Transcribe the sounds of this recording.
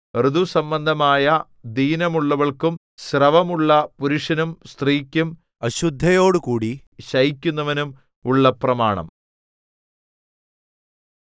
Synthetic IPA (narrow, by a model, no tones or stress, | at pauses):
rɨd̪usɐmbɐnd̪ʱɐmaːjɐ | d̪iːnɐmuɭːɐʋɐɭkum | ɕrɐʋɐmuɭːɐpuɾuʂɐnumst̪riːkʲːum | ɐɕud̪ʱːɐjoːɽukuːɽi | ɕɐjikʲːunːɐʋɐnum | uɭːɐprɐmaːɳɐ̰m